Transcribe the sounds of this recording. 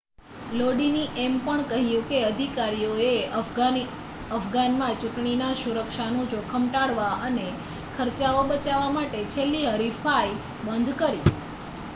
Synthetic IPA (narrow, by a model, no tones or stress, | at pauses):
loɖiniʔempəɳkəɦjũkeəd̪ʱikaɾijoeə | əfʰɡanmãt͡ʃʊ̃ʈɳinasuɾəkʃanõd͡ʒokʰəmʈaɽʋaʔəne | kʰəɾt͡ʃaobət͡ʃaʋamaʈet͡ʃʰelːiɦəɾifai | bənd̪ʱkəɾi